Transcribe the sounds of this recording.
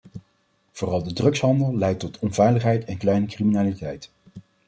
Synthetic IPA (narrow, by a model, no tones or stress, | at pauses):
v̥ʊːrɑlˠdədrɵksɦɑndəlˠlɛjtɔtɔnv̥ɛjləχɦɛjtɛnklɛjnəkriminaːlitɛjt